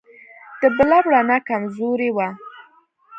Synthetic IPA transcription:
d̪̥əbəlabɽanakamzoɾewa

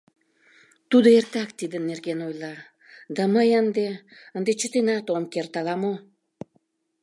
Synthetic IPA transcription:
t̪ud̪oert̪ɑkt̪id̪ənːerɣenojlɑ | d̪ɑməjənd̪eənd̪et͡ɕət̪enɑt̪omkert̪ɑlɑmo

